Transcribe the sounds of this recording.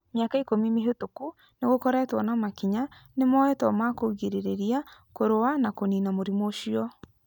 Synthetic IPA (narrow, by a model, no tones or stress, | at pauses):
mjakaikomimeɦotoku | neɣokɔɾɛːtwɔnamakiɲanemɔɛtɔmakoɣeɾeɾeɾiakoɾowanakoninamoɾimoʃiɔ